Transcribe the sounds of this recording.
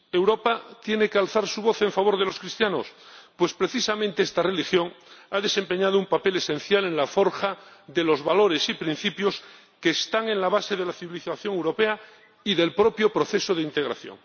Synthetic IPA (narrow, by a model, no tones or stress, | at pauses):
ewɾo̞pat̪je̞nekealθaɾsuβ̞o̞θe̞ɱfaβ̞o̞ɾðe̞lo̞skɾist̪janospwe̞spɾe̞θisamẽnt̪eest̪are̞lixjo̞ŋaðe̞se̞mpe̞ɲað̞oumpape̞le̞sẽ̞n̟θjale̞nlafo̞ɾxaðelo̞zβalo̞ɾe̞sipɾĩn̟θipjo̞s | keːst̪aŋẽ̞nlaβ̞ase̞ð̞elaθiβiliθaθjo̞ŋewɾo̞pe̞a | iðe̞lpɾo̞pjo̞pɾo̞θe̞soð̞eint̪e̞ɣ̞ɾa̰θjo̰ŋ